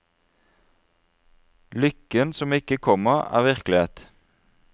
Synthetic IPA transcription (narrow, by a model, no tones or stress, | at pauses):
lʏkənsɔmɪkəkʰɔməʁæ̰ːʁʋɪʁklɪheːt̪